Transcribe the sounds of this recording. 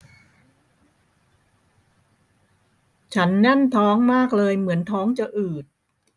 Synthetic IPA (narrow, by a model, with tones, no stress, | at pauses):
t͡ɕʰa˦˥nːɛ˥˩nt̪ʰɔː˦˥ŋmaː˥˩k̚lɤː˧jmɯ˩˦ənt̪ʰɔː˦˥ŋt͡ɕa˨˩ʔɯː˨˩t̪̚